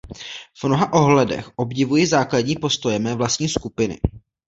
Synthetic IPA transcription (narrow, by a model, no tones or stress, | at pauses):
v̥mno̞ɦaʔoɦlɛdɛ̰xʔo̞bɟɪvujizaːkladɲiːpo̞st̪o̞jɛmɛːvlast̪ɲiːskupɪnɪ̰